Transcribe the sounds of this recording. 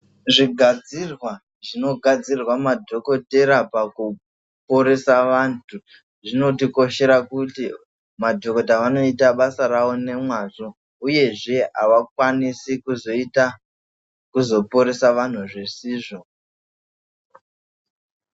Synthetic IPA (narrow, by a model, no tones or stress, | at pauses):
ʐiɡʱad͡zirwa | ʐino̞ɡʱad͡zirwamadʱo̞ko̞te̞ɾapaku | poɾesaʋaːntʰu | ʐino̞tiko̞ʃe̞ɾakuti | madʱoko̞taʋano̞itaɓasaɾawo̞ne̞mwaʐo | uje̞ʐe̞a̰ʋak̚wanisikuzo̞ita | kuzo̞poɾesaʋan̤uʐesiːʐo̞